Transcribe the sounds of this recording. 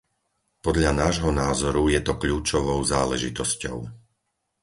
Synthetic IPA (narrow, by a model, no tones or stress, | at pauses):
pɔd̪ʎanaːʒɦɔnaːzɔɾujɛt̪ɔkʎuːt͡ʃɔʋɔʊzaːlɛ̰ʒit̪ɔscɔ̰ʊ